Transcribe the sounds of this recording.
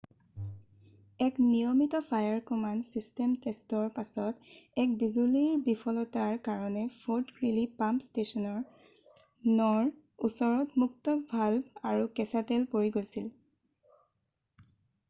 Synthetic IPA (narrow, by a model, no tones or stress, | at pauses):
ɛknijɔmitɔpʰajaɹkɔmansistɛmtestɔɹpasɔtɛkbizuliɹbipʰɔlɔtaɹkaɹɔnɛfʰuɹdkɹilipampstesɔnɔɹ | nɔɹ | usɔɹɔtmuktɔbʱalaɹukɛsatɛlpoɹiɡojsil